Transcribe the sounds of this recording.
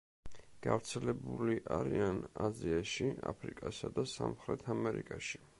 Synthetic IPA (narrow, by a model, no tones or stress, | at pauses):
ɡ̥avɾt̪sʰɛlɛbuliʔaɾianaziaʃiapʰɾikʼasad̪asamχɾɛt̪ʰamɛɾikʼaʃi